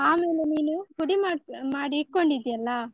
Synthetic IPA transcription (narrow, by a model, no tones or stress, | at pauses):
aːmeːlɐniːnɯkʊɽimaːmaːɽiɪʈ̚kɔɳɖɪðɪjɐlːaː